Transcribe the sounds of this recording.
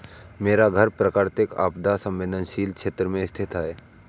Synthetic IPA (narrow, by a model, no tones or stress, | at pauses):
meːɾaɡʱəɾpɾəkaːɾt̪ɪka̰ːpd̪asə̃mʋeːd̪ənʃiːlkʃeːt̪ɾəmẽɪst̪ʰɪt̪aɦɛː